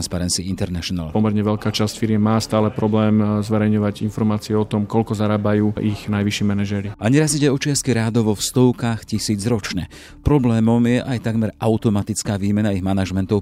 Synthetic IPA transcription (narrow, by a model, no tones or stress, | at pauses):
nspaɾɛnt͡siint̪ɛɾnaʃɔna̰lpɔmɛɾɲɛʋɛlkaːt͡ʃascfiɾjɛmːaːst̪aːlɛpɾɔblɛːmzʋɛɾɛjɲɔʋaɟinfɔɾmaːt͡siɛɔt̪ɔmkɔlkɔzaɾaːbajuːʔixnajʋiʃɪɛmɛnaʒɛɾiaɲɛɾaziɟɛɔt͡ʃɪaskiɾaːd̪ɔʋɔfst̪ɔʊkaːxcisiːd͡zɾɔt͡ʃɲɛ̰ | pɾɔblɛːmɔmjɛʔajt̪aɡmɛɾaʊt̪ɔmat̪it͡skaːʋiːmɛnaiɣmanaʒmɛnt̪ɔʊ